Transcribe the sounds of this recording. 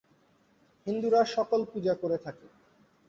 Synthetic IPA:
hind̪uɾaʃɔkolpud͡ʑakoɾet̪ʰake

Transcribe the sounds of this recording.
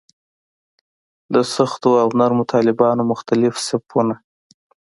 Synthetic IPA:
d̪əsʊxt̪oawnaɾmʊt̪ʰɑlɪbɑnomʊxt̪alɪfsapʰuna

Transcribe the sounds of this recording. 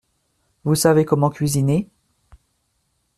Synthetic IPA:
vusavekɔmɑ̃kʲɥizine

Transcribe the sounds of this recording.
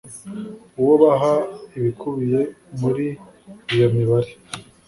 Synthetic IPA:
uwoβaɦaiβikʰuβije̞muɾiː | jo̞miβaɾe

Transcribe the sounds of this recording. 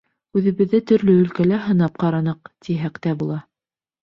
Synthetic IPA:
ʉðɘ̆βɘ̆ðːɘt̪ɵ̆ɾlɵɵ̆lkælæɦɤ̆nɑp̚qɑɾɑnɤq̚t̪iɦækt̪æbulˠɑ

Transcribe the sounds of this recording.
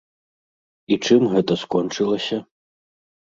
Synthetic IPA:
it͡ʂɨmɣɛt̪ɐskɔnt͡ʂɨlˠɐsʲɐ

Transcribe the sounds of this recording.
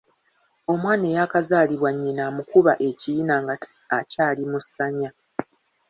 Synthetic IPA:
o̞mwaːne̞jakazaːliβwaɲːinaːmukuβaʔe̞ciinaːŋɡa | acaːlimusːaɲa

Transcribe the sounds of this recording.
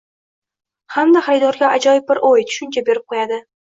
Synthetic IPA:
hamd̪aχaɾɪd̪ɒɾɡʲaad͡ʒɒjɪb̚bɪɾʔoj̪ʰʊ̥ʃʊnt͡ʃʰabe̞ɾɪp̚qʰojad̪ɪ

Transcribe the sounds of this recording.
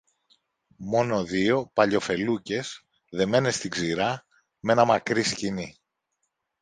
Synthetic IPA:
mo̞no̞ðio̞pɐʎo̞fe̞luce̞z̥ | ðe̞me̞ne̞st̪iɡziɾɐ | me̞nɐmɐkɾiscini

